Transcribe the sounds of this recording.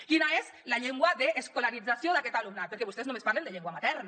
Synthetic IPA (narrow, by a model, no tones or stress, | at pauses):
kinaezlaʎeŋɡwaðeʔːskolaɾid͡zasjoðakɛt̪alumnat̪̚peɾkeβust̪eznõmespaɾlend̪eʎeŋɡwamat̪ɛɾna